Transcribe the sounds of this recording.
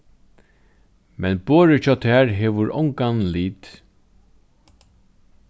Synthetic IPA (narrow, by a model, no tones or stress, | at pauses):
mɛnboːɹət͡ʃʰɔːt̪ʰɛːɹɦɛːʋʊɹʔɔ̰wŋkanliːt̪